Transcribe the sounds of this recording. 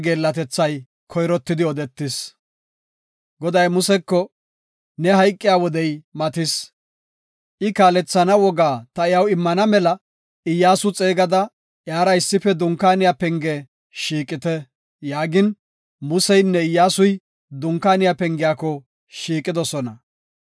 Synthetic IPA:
ɡe̞ːlːɐt̪ɛt͡sːɐj | kʰɔjɾɔt̪ːɪd̪ɪɔd̪ɛt̪ːɪs | ɡɔd̪ɐjmʊsɛkːɔ | nɛɦɐjkʼːɪjawɔd̪ɛjmɐt̪ɪs | ʔɪkaːlɛt͡sːɐnɐwɔɡaːt̪ɐɪjɐwɪmːɐnɐmɛlɐ | ɪjːaːsʊt͡sʼeːɡɐd̪ɐ | ʔjaːɾɐɪsːɪfɛd̪ʊŋkːaːnɪjapɛŋɡɛ | ʃiːkʼɪt̪ɛ | jaːɡɪn | mʊsɛjnːɛɪjːaːsʊj | d̪ʊŋkːaːnɪjapɛŋɡɪjaːkɔ | ʃiːkʼɪd̪ɔsɔnɐ

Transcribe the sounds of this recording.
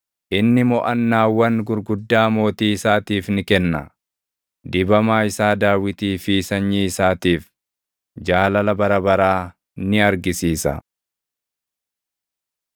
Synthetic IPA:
ʔɪnːɪmɔʔɐnːaːwːɐŋɡʊɾɡʊd̪ːaːmo̞ːt̪iːɪsaːt̪iːfnɪkɛnːɐ̰ | d̪ɪbɐmaːɪsaːd̪aːwɪt̪iːfiːsɐɲːiːɪsaːt̪iːf | d͡ʒaːlɐlɐbɐɾɐbɐɾaː | nɪɐɾɡɪsiːsɐ̰

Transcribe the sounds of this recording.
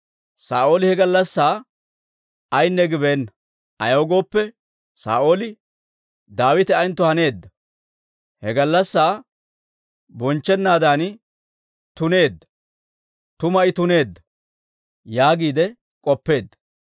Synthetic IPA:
saːʔo̞ːlɪhɛɡɐlːɐsːaː | ɐjnːɛɡɪbeːnːɐ | ɐjɐwɡo̞ːpːɛ | sa̰ːʔo̞ːlɪ | d̪aːwɪt̪ɪɐjnt̪ːʊhɐne̞ːd̪ːɐ | hɛɡɐlːɐsːaː | bɔnt͡ʃːɛnːaːd̪aːn | t̪ʊne̞ːd̪ːɐ̥ | t̪ʊmɐɪt̪ʊne̞ːd̪ːɐ | jaːɡiːd̪ɛ | kʼɔpːe̞ːd̪ːɐ̥

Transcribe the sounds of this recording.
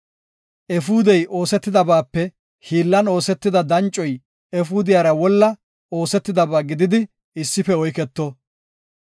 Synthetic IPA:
ʔɛfuːd̪ɛjʔo̞ːsɛt̪ːɪd̪ɐbaːpːɛ | hiːlːɐno̞ːsɛt̪ːɪd̪ɐd̪ɐnt͡ʃʼːɔj | ɛfuːd̪ɪjaːɾɐwɔlːɐ | o̞ːsɛt̪ːɪd̪ɐbaːɡɪd̪ɪd̪ɪ | ɪsːɪfɛɔjkɛt̪ːɔ

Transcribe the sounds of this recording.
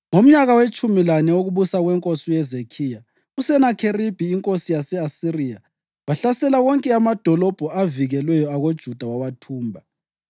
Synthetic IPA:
ŋom̩ɲaɣawet͡ʃʼumilanɛoɣuβusaɣwɛŋkʼosujɛzekʰiːja | usɛnakʰerib̥ʱiːŋkʼosijasɛasirija | waɬasɛlaɣɔŋkʼɛamad̥ʱɔlɔb̥ʱɔaviɣɛlwɛjɔaɣod̥ʒ̥ʱud̥ʱawawatʰuːmbʱa

